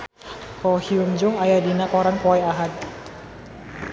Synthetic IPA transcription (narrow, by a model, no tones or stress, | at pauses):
pɔhiumd͡ʒʊŋajadinakɔɾanpɔɛaɦat̪̚